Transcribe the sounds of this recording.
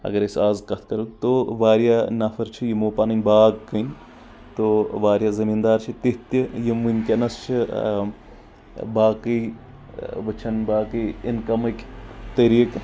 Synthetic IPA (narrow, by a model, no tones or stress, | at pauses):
ɐ̰ɡɐɾisaːzkɐt̪ʰkɐɾut̪oʋaːɾjanɐfʰɐɾt͡ʃʰijimoːpanɐnʲbaːɡkɐnʲ | t̪oʋaːɾjaːzɐmiːnd̪aːɾt͡ʃʰit̪it̪ijimʋunʲkʲinɐst͡ʃʰi | baːkiː | ʋɐt͡ʃʰɐnbaːkiinkɐmɐkʲt̪ɐɾiːk